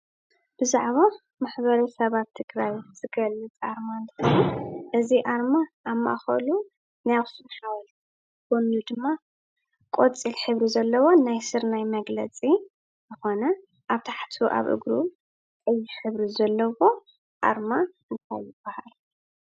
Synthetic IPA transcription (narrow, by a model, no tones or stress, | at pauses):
b̥ɨzaʕβa | maħβɐɾɐsɐβat̪t̪ʰːɨɡɾajz̥ɨɡɐlːɨt͡sʼaɾmaɨnt̪ʰɨxɐnuʔɨziʔaɾmaʔːmːa̰ʔxɐ̰lu | najaxsɨmħawɐlʰ | konud̪ɨmːa | kʼot͡sʼilħɨβɾizɐlːɐwo̞najsɨɾnajmɐɡlɐt͡sʼi | zɨxo̞nɐ | ʔaβt̪ʰḁħt̪ʰuʔa̰βʔɨ̰ɡɾu | kʼɐjːiħɨβɾizɐlːɐwo̞ | ʔa̰ɾmaɨnt̪ʰajɪb̥ːahal